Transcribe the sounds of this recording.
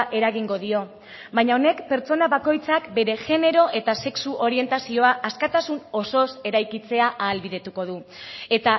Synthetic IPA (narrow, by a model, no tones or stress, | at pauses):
ʔe̞ɾaɣiŋɡo̞ðio̞ | bajɲaone̞kpe̞ɾt͡so̞naβako̞jt͡sakbe̞ɾe̞ʝe̞ne̞ɾo̞ʔe̞t̪ase̞ksuʔo̞ɾie̞nt̪asio̞aʔaskat̪asuno̞so̞se̞ɾajkit͡se̞aʔaːlβiðe̞t̪uko̞ð̞ue̞t̪a